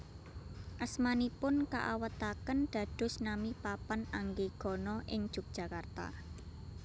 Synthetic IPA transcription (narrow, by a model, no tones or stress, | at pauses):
ʔəsmanipʊnkaʔawət̪akənɖ̪̥ä̤d̪̥ʊ̤snamipapanaŋɡeɡ̥ɔ̤nɔʔɪŋd̥ʒ̥ṳk̚d̥ʒ̥ä̤kart̪a̰